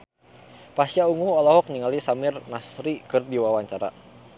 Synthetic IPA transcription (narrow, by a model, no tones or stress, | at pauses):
pasiauŋuhɔlɔɦɔk̚ɲiŋalisamirnasɾikɨrdiwawaɲt͡ʃaɾa̰